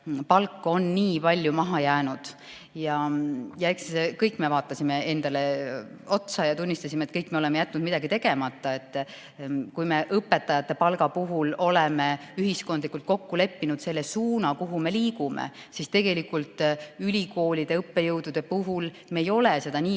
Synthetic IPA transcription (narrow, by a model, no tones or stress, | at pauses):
pɑlkːo̞nːiːpɑlʲːjumɑɦɑjæːnud̪̥ | jɑjɑe̞ksiskɤjkːˑme̞vɑːt̪ːˑɑsʲime̞e̞nd̪̥ɑle̞ | o̞t̪sɑjɑt̪unʲːist̪ɑsʲimet̪kɤjkːmeole̞mejæt̪ːˑnud̪̥mid̪̥ɑɡit̪e̞ɡ̥e̞mɑt̪ːˑɑe̞t̪ːˑ | kujme̞ʔɤpːe̞t̪ːˑɑjɑt̪ːˑe̞pɑlɡɑpuɦulo̞lemeyɦisko̞nd̪likːˑult̪̚ko̞kːule̞pːinud̪̥se̞lːesuːnɑkuɦume̞liːɡumḛ | sist̪e̞ɡ̥e̞likːˑult̪ˑylʲiko̞ːlʲid̪̥e̞ɤpːe̞jɤwd̪ud̪̥e̞puɦul | me̞jo̞lese̞d̪̥ɑniː